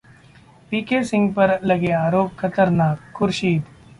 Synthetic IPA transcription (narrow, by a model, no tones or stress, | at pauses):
piːkesɪ̃ŋɡpɐɾlɐɡeaːɾoːp̚kʰɐt̪əɾnaːkkʊɾʃiːd̪